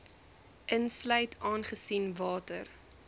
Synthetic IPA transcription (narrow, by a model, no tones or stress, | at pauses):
ʔənslœɥtʰɑːnχəsinvɑːtər